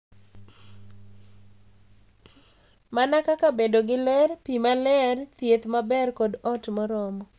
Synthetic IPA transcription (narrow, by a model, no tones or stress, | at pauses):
manakakabedoɡɪlɛrpimalɛrt̪jet̪mabɛrkodɔtmɔɾɔmɔ